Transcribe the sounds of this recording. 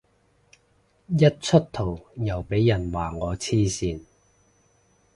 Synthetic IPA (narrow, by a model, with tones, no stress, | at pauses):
jɐ˥t̚t͡ʃʰɵ˥t̚t̪ʰo˨˩wjɐ˨˩wpe˨˥jjɐ˨˩nwaː˨˩ŋɔː˨˧t͡sʰiː˥siː˨˧n